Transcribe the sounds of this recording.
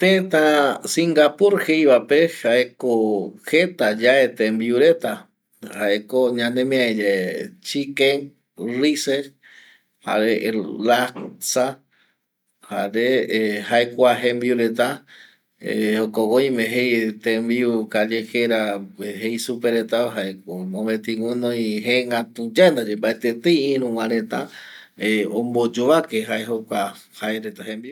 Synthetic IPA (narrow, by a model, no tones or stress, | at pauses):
t̪et̪asiŋɡapuɾhejβapehaekohet̪ad͡ʒaet̪embiuɾet̪a | haekoɲãnẽmĩaed͡ʒet͡ʃikẽŋ | rise | ha̰ɾelasa | haɾehaekʷaɦẽmbiuɾet̪a | ḛhokowoj̃mẽɦejt̪ẽmbiukaʎeheɾaeɦejsupeɾet̪aɦaemõmẽt̪ĩŋunõj̃ɦeŋat̪ud͡ʒand̪ad͡ʒembaet̪et̪ejĩɾũwãɾẽt̪a | eombod͡ʒoʋakeɦaeɦokʷa | haeɾet̪aɦẽmbiu